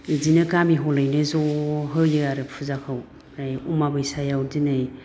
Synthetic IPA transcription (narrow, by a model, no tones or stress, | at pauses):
izinɯkamiɦɔlajnɯzɔɦɯjɯaɾɯpʰuzakʰaw | ɾajumabɯjsajawdinɯj